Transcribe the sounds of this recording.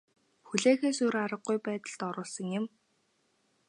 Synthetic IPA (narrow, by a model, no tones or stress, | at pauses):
xuɮeːxeːsuɾaɾə̆ɡːujpæːt̪ə̆ɮt̪ɔɾʊːɮsə̆ŋjɪ̆m